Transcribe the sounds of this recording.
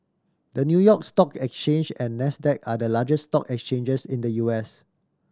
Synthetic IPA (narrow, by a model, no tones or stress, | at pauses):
dənjujɔkstɔkɛkst͡ʃẽnd͡ʒɛ̃nːɛsdɛk̚adəlad͡ʒəstɔkɛkst͡ʃẽnd͡ʒəsĩndəjuɛs